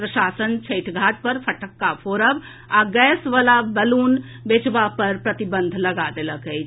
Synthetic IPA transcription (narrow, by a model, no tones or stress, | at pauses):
pɾəʃaːsənt͡ʃʰəɪʈʰɡʱaːʈ̚pəɾpʰəʈəkːapʰoːɾəb | aɡɛːsʋəlabəluːn | bet͡ʃbapəɾpɾət̪ibə̃nd̪ʱləɡad̪eləkɦə